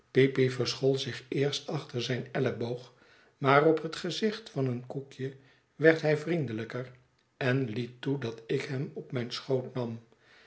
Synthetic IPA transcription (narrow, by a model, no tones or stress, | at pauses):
pipivəɹsχɔlˠzɪχɪːɹstɑχtəɹzɛjnɛləbowχ | maːrɔpɦətχəzɪχtfɑnənkukjə | ʋɛɹtɦɛjvrindələkər | ɛnlitːudɑtɪkɦɛmɔpmɛjnsχowtnɑm